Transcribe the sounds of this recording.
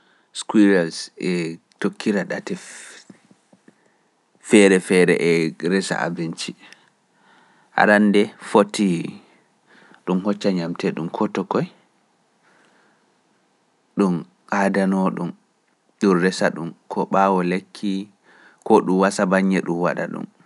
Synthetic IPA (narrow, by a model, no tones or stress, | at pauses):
skwiɾalsɛ | tokʰːiɾaɗatɛ | fɛɾɛfɛɾɛ̰ʔɛɾɛsa̰ʔa̰bint͡ʃi | ʔa̰ɾandɛfotːi | ɗumhɔt͡ʃːaɲamtʰɛɗumkʰɔtɔkɔj | ɗum | ʔaːdanɔɗum | ɗunɾɛsaɗumkʰɔɓaːwɔlekʰːi | kɔɗumwasabaɲːɛɗumwa̰ɗa̰ɗṵm